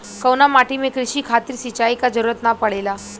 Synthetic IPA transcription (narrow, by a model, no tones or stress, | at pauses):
kəwnamaʈimekɾiɕiːkʰat̪iɾsit͡ɕaikad͡zəɾuɾət̪napəɽela